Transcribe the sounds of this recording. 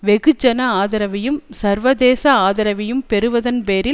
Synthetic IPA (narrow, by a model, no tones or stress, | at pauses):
ʋɛɣɯd͡ʒɐnɐaːðɐɾɐʋɐjɯmsɐɾʋɐðeːsɐaːðɐɾɐʋɪjɯmpɛɾɯʋɐðɐnpeːɾɪ